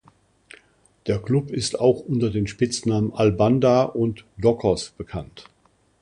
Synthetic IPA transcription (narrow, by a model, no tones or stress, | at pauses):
d̥eːɐkl̥ʊpɪstaʊxʔʊntɐdeːnʃpɪt͡snaːmənʔalbandaʔʊntdɔkʰɔsb̥əkʰant